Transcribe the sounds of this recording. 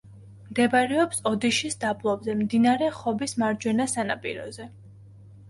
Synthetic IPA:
md̪ɛbaɾɛɔpsɔd̪iʃisd̪ablˠɔbzɛmd̪inaɾɛχɔbismaɾd͡ʒwɛnasanapʼḭɾɔ̰zɛ

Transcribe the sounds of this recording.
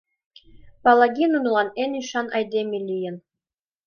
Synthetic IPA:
pɑlˠɑɡʲinunlˠɑneniʃɑnʔɑjd̪ʲemʲilʲijɘ̆n

